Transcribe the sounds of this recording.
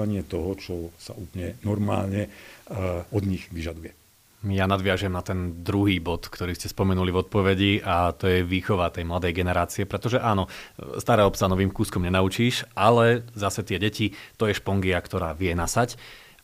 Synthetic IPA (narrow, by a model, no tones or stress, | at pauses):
aɲɪɛt̪ɔɦɔt͡ʃɔsa̰ʔuːpəɲɛnɔɾma̰ːlɲɛ | ɔd̪ɲiɣʋiʒad̪ujɛ | janad̪ʋɪaʒɛmnat̪ɛnd̪ɾuɦiːbɔt̪kt̪ɔɾiːscɛspɔmɛnulivɔt̪̚pɔʋɛɟiʔat̪ɔjɛʋiːxɔʋat̪ɛjmlad̪ɛjɡɛnɛɾaːt͡siɛpɾɛt̪ɔʒɛʔaːnɔst̪aɾɛːɔpsanɔʋiːmkuːskɔmɲɛnaut͡ʃiːʃalɛzasɛt̪ɪɛɟɛcit̪ɔjɛʃpɔŋɡiakt̪ɔɾaːʋɪɛnasac